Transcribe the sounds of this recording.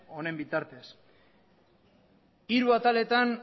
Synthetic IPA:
o̞ne̞mbit̪aɾt̪e̞s | iɾuat̪ale̞t̪an

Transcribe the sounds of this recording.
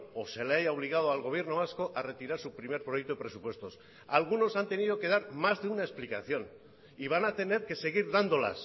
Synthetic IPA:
ose̞lejaβ̞liɣaðoalɣ̞o̞β̞je̞ɾnoasko̞ʔare̞t̪iɾaɾsupɾime̞ɾpɾo̞jekt̪oepɾe̞supwe̞st̪o̞s | alɣ̞uno̞sant̪e̞niðo̞ke̞ð̞aɾmazðeunaesplikaθjo̞n | iβ̞anat̪e̞ne̞ɾke̞se̞ɣ̞iɾðand̪o̞la̰s

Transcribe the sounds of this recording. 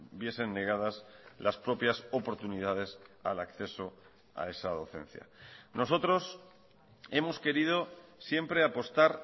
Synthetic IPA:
bje̞se̞nːe̞ɣ̞að̞aslaspɾo̞pjaso̞po̞ɾt̪unið̞að̞e̞sa̰lakθe̞so̞ | a̰e̞sað̞o̞θe̞̰n̟θja̰no̞so̞t̪ɾo̞s | e̞mo̞ske̞ɾið̞osje̞mpɾe̞apo̞st̪aɾ

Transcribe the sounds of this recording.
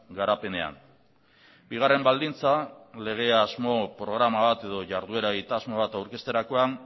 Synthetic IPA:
ɡaɾape̞ne̞a̰n | biɣ̞are̞mbald̪int͡sale̞ɣ̞e̞azmo̞pɾo̞ɣ̞ɾamaβat̪e̞ð̞o̞ʝaɾðue̞ɾaeɣit̪azmo̞β̞at̪awɾke̞st̪e̞ɾako̞aŋ

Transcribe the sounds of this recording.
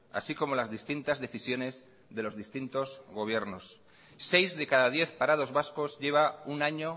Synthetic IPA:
a̰siko̞mo̞lazðist̪int̪azðe̞θisjo̞ne̞z | ðe̞lo̞zðist̪int̪ozɣo̞β̞je̞ɾno̞sː | e̞jzðe̞kaðaðje̞θpaɾað̞o̞zβasko̞zʝe̞β̞aunaɲo̞

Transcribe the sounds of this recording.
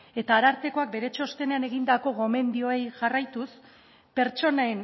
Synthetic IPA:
e̞t̪aːɾaɾt̪e̞ko̞ak̚be̞ɾe̞t͡ʃo̞st̪e̞neane̞ɣind̪ako̞ɣo̞me̞nd̪io̞ejʝarajt̪us | pe̞ɾt͡ʃo̞naen

